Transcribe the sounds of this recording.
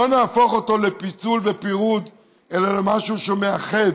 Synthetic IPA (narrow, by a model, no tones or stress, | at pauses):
o̞naːfo̞χo̞t̪o̞le̞pit͡sulve̞piʁud̪ | elalemaʃuʃemeaχe̞d